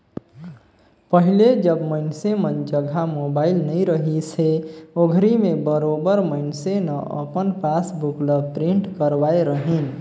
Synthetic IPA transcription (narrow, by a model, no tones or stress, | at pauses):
pəɦiled͡ʒəbməɪnsemənd͡ʒəɡʱamobailnəiɾəɦiseoɡʱɾimebəɾobəɾməɪnsenəʔə̰pənpasbukləbpɾiɳʈkəɾbaeɾəɦin